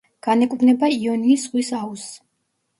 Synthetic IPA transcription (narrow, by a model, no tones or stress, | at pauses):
ɡ̥anɛkʼbnɛbaiɔniːsʁwisaus